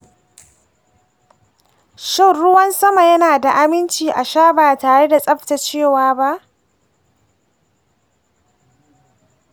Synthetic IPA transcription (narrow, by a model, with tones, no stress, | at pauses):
ʃɐ˦˨ɽʊ˦wɐ˦nsɐ˦ma˨jɐ˦naː˨da˨ʔa˦mɪ˦nt͡ʃiː˨ʔa˨ʃaː˦baː˨taː˨ɽe˦da˨sʼɐ˦ɸta˨t͡ʃeː˦˨waː˨˦ba˦ʔ